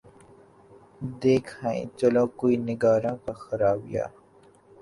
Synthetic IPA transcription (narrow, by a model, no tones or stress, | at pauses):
d̪eːkʰhãḭ̃t͡ʃɐlõkoːinɪɡaːɾãːkaxɐɾaːbija̰ː